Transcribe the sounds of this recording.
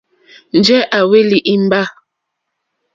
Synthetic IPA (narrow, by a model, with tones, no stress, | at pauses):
n̩˨d͡ʒɛ˦ʔa˨we˦li˨ʔi˦m˦ba˦